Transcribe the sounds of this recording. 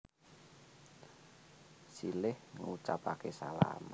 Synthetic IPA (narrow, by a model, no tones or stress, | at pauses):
silɪhŋut͡ʃapakesala̰mə